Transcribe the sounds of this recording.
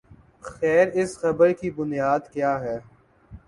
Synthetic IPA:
xɛːɾɪsxɐbəɾkibʊnjaːd̪kjaːɦɛː

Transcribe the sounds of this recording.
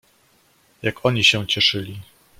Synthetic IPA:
jakɔɲiɕɛ̃t͡ɕɛʂɘlʲi

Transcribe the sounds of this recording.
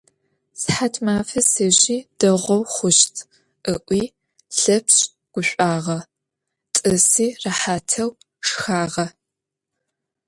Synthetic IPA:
sħatʰmaːfɐsɨʑiːd̥ɐʁʷɔwχʷʊɕtʰ | ʔɨʔʷiː | ɬɐpʰɕ | ɡ̥ʷʊɕʷʼaːʁɐ | tʼɨsiːraħaːtʰɐw | ʂxaːʁɐ

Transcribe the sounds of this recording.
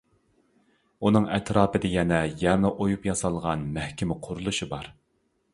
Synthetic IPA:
unɨŋɛt̪ʰɾɑːpɨd̪ɪjɛnɛjɛɾnɨʔojupjɑsɑlˠʁɑnmæhkʲɪmɪqʰʊɾulˠuʃibɑɾ

